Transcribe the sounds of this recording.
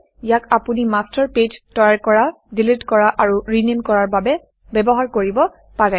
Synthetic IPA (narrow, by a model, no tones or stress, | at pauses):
ijakapunimastɔɹped͡ʒtɔjaɹkɔɹa | dilitkɔɹaʔaɹuɹinemkɔɹaɹbabɛ | bɛbɔɦaɹkoɹibɔ | paɹɛ